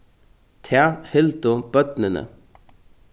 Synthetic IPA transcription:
t̪ʰæhɪld̪ʊb̥œd̪nənə̰

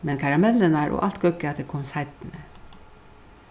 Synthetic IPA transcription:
mɛnkʰaɹamɛlːənaɹʔo̰ːʔal̥t̪̚ɡœkːɪat̪d̪ɛkʰɔmshaɪt̪nə

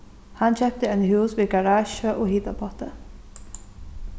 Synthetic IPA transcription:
hɑnçɛp̚t̪əɛɪnhʉːsʋɪːɡɑɹɑːʃəʔoːhiːt̪ɑpʰɑt̪ə

